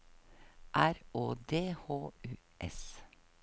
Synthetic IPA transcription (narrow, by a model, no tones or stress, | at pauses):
ʔæɾoːd̪eːhoːʉːʔɛ̰s